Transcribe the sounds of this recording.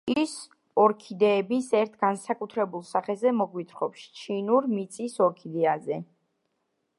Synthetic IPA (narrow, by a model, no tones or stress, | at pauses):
is | ɔɾkʰid̪ɛːbisɛɾt̪ʰɡ̥ansakʼut̪ʰɾɛbulˠsaχɛzɛmɔɡwit̪ʰχɔpst͡ʃʰinuɾmit̪sʼisɔɾkʰid̪ɛazɛ